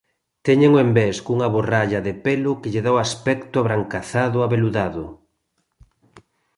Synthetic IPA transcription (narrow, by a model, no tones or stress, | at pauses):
t̪ɛɲeŋoembeskuŋaβoraʎaðepelʊkeʎeðawaspɛkt̪ʊaβɾaŋkaθaðʊaβeluðaðʊ